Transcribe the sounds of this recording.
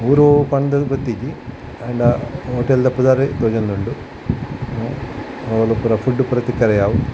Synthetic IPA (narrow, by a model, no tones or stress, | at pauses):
uːɾopɐɳd̪ɐbt̪ːikːi | eɳɖɐɦoːʈːeld̪epːud̪aːɾet̪oːd͡ʒend̪uɳɖu | olupɾɐfuɖːupɾɐt̪ikːɐɾɐjaːʋu